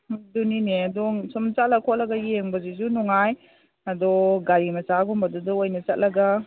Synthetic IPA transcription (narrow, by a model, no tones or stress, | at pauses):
dunineɐdɔŋsumt͡ʃat̚lɐkʰɔt̚lɐɡɐjeŋbɐzizunɔŋaj | ɐdɔɡaɾimɐsaɡɔmbɐdudɔojnɐt͡ʃɐt̚lɐɡa